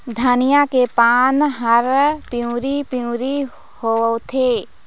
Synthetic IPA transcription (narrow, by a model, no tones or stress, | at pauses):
d̪ʱaːnɪjakepaːnɦəɾpiũɾipiũɾi | hoət̪ʰeː